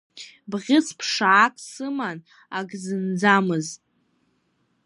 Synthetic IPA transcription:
bʁʲɪspʰʂaːkʼsɨman | aɡzɨnd͡zamɨztʼ

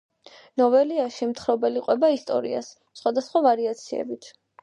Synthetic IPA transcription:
nɔvɛliaʃimt̪ʰχɾɔbɛliqʼwɛbaist̪ʼɔ̰ɾḭa̰s | sχwad̪asχwavaɾiat̪sʰiɛ̰bit̪ʰ

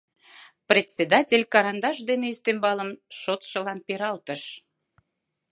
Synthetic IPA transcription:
prʲet̪ʲsʲed̪ɑtʲelʲkɑɾɑnd̪ɑʃd̪eneist̪embɑləmʃot̪ʃə̆lɑnpeɾɑlt̪əʃ

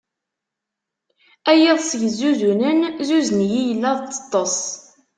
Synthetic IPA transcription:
æjiðˤsʝəzːuðunənzuzənjijəlːæðˤt͡sːə̥t̪ˤːɑsˤ

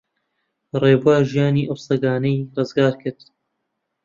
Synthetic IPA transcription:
reːbuaːʒijaːniːʔɐwsɐɡaːnɐjrɨzɡaːɾkʰɨɾd̪

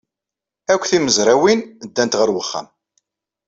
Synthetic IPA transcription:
ækʷːθiməzɾˤawind̪ːænt̪ʁəɾwəχːæ̰m

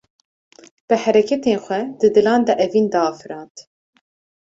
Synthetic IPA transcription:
b̥ɨhɛɾɛkʰɛt̪eːnxʷɛd̪ɨd̪ɨlɑːnd̪ɛʔɛviːnd̪ɑːfɨɾɑːnt̪

